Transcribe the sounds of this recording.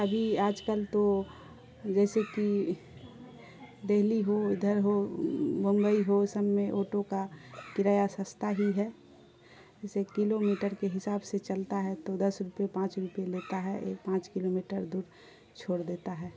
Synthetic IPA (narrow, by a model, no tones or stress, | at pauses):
əbʱiaːd͡ʒkəlt̪o | d͡ʒɛːseki | d̪eɦliɦoɪd̪ʱəɾɦobə̃mbəiɦosəmːẽʔoːʈokakɪɾaːjasə̃st̪ʰaɦiɦɛ | d͡ʒɛːsekɪlomiʈəɾkeɦɪsaːbset͡ʃəlt̪aɦɛt̪od̪əsɾupepãːt͡ʃɾupeleːt̪aɦɛʔḛːk̚pãːt͡ʃkɪlomiʈəɾd̪uːɾ | t͡ʃʰoːɽd̪eːt̪aɦɛː